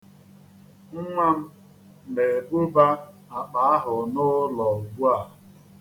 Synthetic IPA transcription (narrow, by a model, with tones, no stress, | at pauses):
ŋ̩˦ŋʷa˦m̩˦˨ | me˨ɡʊ˦ba˦ | a˨k͡pa˨a˦ɦʊ˨nʊ˦lɔ˨ɡu˦a˦˨